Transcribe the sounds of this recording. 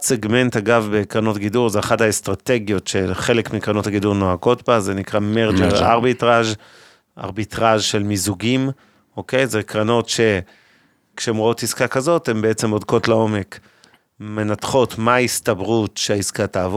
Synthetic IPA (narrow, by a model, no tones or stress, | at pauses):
seɡme̞ntaɡavbe̞kʁanotɡiduʁzeaχadhaestʁate̞ɡjo̞tʃe̞lχe̞lekmikʁanothaɡiduʁnoaɡo̞tbazenikʁameʁd͡ʒeʁa̰ʁbitʁaʒ | ʔa̰ʁbitʁaʒʃe̞lmizuɡim | o̞ke̞jzekʁano̞tʃe̞ | kʃeemʁoo̞tiskakazo̞te̞mbeet͡se̞mo̞dko̞tleo̞me̞k | me̞natχo̞tmaistabʁutʃeaiskataːvo